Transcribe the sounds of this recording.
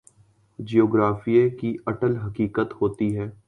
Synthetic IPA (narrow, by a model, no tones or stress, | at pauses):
d͡ʒioːɡɾaːfijekiɐʈəlɦɐkiːkət̪hoːt̪iɦɛː